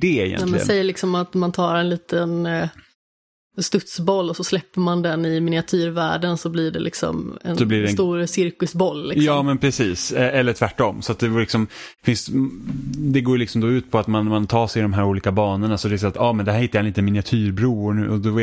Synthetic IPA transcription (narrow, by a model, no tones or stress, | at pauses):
d̪ɛɪ̰jɛ̰nɛmɛn̰nɛjːəɭɪksɔmat̪mant̪ʰɑːɾɛnliːt̪ʰən | st̪ɵt̪sbɔlːɔsɔslɛpːəɾmand̪ɛnɪmɪnɪat̪ʰyːɾvæ̰ːɖənsɔblɪɖɛ̰lɪ̰ksɔ̰mɛ̰ndɔblɪɖɛt̪uːɾsɪɾkɵsbɔlːlɪksjɑːmɛnpʰɾɛsiːsɛɛlːəʈʰvæʈːɔmsɔat̪̚d̪ɛvlɪksɔmfɪns | d̪ɛɡoːjlɪksɔmd̪ɔʉːt̪̚pʰɔat̪manmant̪ʰɑːʂɛjd̪ɔmɦæːɾuːliːkabɑːnəɳasɔd̪ɛɛs̬aːɾat̪ɑːmɛnd̪ɛhæːɾhɪt̪ːajaɛniːt̪ənmɪnɪat̪ʰyːɾbɾuːʊɾɳʉ̟̰ːɔd̪ɔ